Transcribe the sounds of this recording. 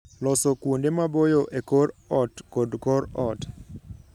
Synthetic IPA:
lɔsɔkwondemabojoʔekoɾɔtkɔdkɔɾɔt

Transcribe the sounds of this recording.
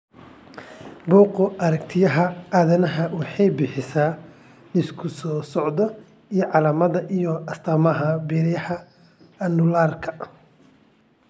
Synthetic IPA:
buːqʊʔɐɾɐkt̪ʰɪjɐɦɐʔaːðɐnɐɦɐwɑħɑjbɪħɪsaː | nɪskʰʊsɔːsɔʕd̪ɔ | ijɞʕɑlaːmɐðɐʔijɔɐst̪ʰɐmɐɦɐbɛːɾɪjɐhɐ | ɐnʊlaːrkʰɐ̥

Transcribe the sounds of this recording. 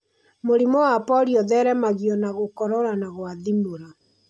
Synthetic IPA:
moɾimɔwapɔɾjɔðɛɾɛmaɣiɔnaɣokɔɾɔɾanaɣwaðimoɾa

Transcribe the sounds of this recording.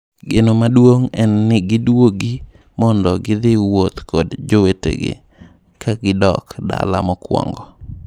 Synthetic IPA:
ɡenomadwoŋɛnːɪɡɪdwoɡi | mɔndɔɡɪd̪ɪwot̪kʰɔdd͡ʒowetḛɡɪ̰ | kʰaɡɪdɔ̰kda̰lamɔkwɔ̰ŋɡɔ

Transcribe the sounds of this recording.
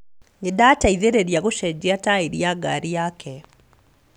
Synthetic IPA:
ŋidaːtaiðeɾeɾjaɣuʃɛɟiataiɾjaɡaɾiaːkʰɛ

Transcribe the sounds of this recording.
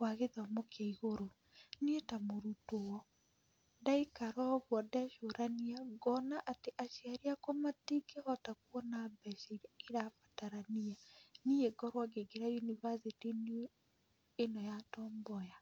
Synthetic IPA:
waɣeðwamokʰeiɣoɾo | nietamoɾutowɔ | daikaɾɔɣwɔdɛʃoɾaniaɡɔnaʔateʔaʃiaɾiakɔmatikehɔtakuɔnabɛʃiɾeɾafḁtaɾanianieɡɔɾwaɡeɡeɾainiβazetin | enɔjatɔːmbɔja

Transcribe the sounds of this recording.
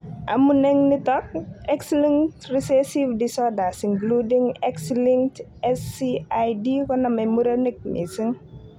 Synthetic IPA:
ʔamunɛŋnitɔk̚ɛksliŋtrisesivdisɔdasiŋkludiŋɛksliŋt | ɛsiajdikɔnɐmɐjmuɾɐnik̚nḭsiŋ

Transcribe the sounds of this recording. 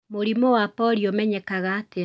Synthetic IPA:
moɾimowapɔɾiomɛɲɛkaɣaːte

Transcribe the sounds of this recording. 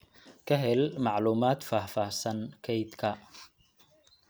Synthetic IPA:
kʰɐɦɛlmɑʕluːmaːt̪faːhfaːhsɐnkʰɛjd̪kʰɐ

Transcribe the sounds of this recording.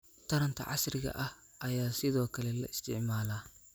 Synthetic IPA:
t̪ʰɐɾɐnt̪ʰɐ̰ʕɑ̰srɪɣɐ̰ʔɐh | ʔɐjaːsɪðɔːkʰɐlɛlɐ̰ɪst̪ʰɪ̰ʕmaːlaː

